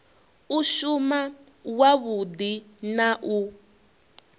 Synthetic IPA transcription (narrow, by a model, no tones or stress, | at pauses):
uʃuma | waβudinaʔu